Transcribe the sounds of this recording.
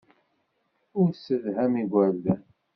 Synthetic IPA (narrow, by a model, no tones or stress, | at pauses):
ʊɾsəðɦæmiɡʷæɾðæn